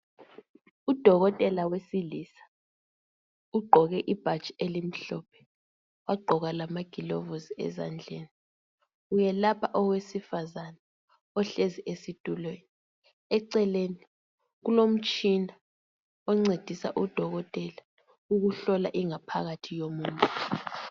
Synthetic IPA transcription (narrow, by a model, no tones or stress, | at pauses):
ud̥ʱɔɣɔtʼɛlawesilisḁ | uɡ͡ǃʱɔɣɛʔib̥ʱḁt͡ʃʼielim̩ɬɔpʰɛ̥ | waɡ͡ǃʱɔɣalamaɡ̥ʱilɔvoziɛ̰za̰nd͡ɮʱeːni | ujɛlapʰaʔɔwesifazana | ɔɬeziʔesitʼulweni | ɛǀɛleni | ɣulom̩t͡ʃʼina | ɔŋ͡ǀed̥ʱisa̰ʔud̥ʱɔɣɔtʼɛla | uɣuɬɔla̰ʔiŋapʰa̰ɣatʰijomuːntʼu̥